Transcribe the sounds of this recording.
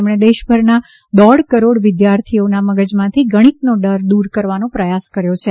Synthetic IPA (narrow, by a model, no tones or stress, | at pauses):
mɽ̃ed̪eʃbʱəɾna | d̪ɔɽkəɾoɽʋɪd̪jaɾt̪ʰionaməɡəd͡ʒmãt̪ʰiɡʱəɽ̃it̪noɖəɾd̪uɾkəɾʋanõpɾəjaskəɾjot͡ʃʰe